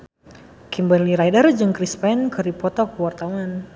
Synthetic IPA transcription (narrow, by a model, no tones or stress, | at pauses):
kimbaliɾajdərd͡ʒɨŋkɾispɛnkɨɾipɔt̪ɔkəwart̪awan